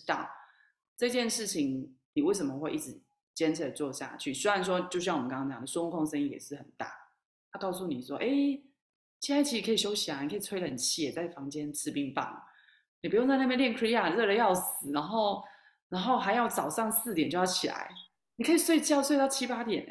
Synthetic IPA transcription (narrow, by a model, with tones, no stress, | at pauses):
t̪ɑ̰˥˩ | ʈ͡ʂɤ˥˧t͡ɕjɛ˥˧nʂɻ̩˥˩t͡ɕʰi˧˦ŋni˨˩we˥˩ɪʂə˧˩mə˨xwe˥˧ɪʔi˥˩ʈ͡ʂɻ̩˧˦ | t͡ɕjɛ˥nʈ͡ʂ̩ʰ˧˩d̪ə˨˩t͡swɔ˥˧ɕja̰˥˧t͡ɕʰy˥˩sy˥wa˧nsʂ̬wɔ˦t͡ɕjo˥˧ʊɕ̬jŋ˨mə˦˧kɑ˥t͡ɕjɑ̰˨˩ŋd̪ə˩swo˥u˥ŋkʰo˥˧ŋʂə˥˦i˥˩jɛ̰˨˩ʂɻ̩˥˩hə˨˩nt̪a̰˥˩ | t̪ʰa˥kɑ˥˧ʊsu˥˩ni˨˩ʂwɔ˦ʔe˥˧ɪ | t͡ɕʰi˧˥a˥ɪt͡ɕʰi˧˥ʂɻ̩˥kʰə˧˥i˨˩ɕjo˥ʊɕi˨a˨˦ni˨kʰə˦˥˨t͡sʰwe˥ɪə˨ə˨˩t͡ɕʰi˧˥jɛ˨˩t͡sa˥˩ɪfɑ˧˦ŋt͡ɕjɛ˦˥nʈ͡ʂʰɻ̩˥˧˩pi˥˧ŋpɑ̰˥˩ŋə̰˩ | ni˨˩pu˧˦jŋt͡sa˥˧na˥˩jnljɛ˥˩nkʰɹi˥a˥˩˨ɻɤ˥˧ɾə˥˧˥jɑ˥˩ʊs̩˨˩na˧˥ŋxo˥˩ʊ | na˧˥ŋxo˥˩ʊɦa˧˥ɪjɑ˥˩ʊt͡sɑ˨˩ʊʂɑ˥˧ŋsɹ̩˥˩t̪jɛ˨˩˦t͡ɕo˥˧ʊjɑ˥˩t͡ɕʰi˨˩la̰˧˦ɪ | ni˨kʰɤ˥i˨˩swe˥˩ɪt͡ɕjɑ˥˧ʊswe˥˧ɪt̪ʊt͡ɕʰi˦˥pa˥t̪jɛ̰˨˩˦n